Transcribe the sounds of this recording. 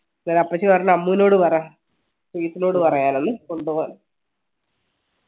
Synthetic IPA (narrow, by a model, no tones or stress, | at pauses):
nanɐpːɐt͡ɕːikɐrnːɐmːuːno̞ːɽɨpɐrɐjaː | siːt̪ːino̞ːɽɨpɐrɐjaːnonːɨkoɳɖupoːn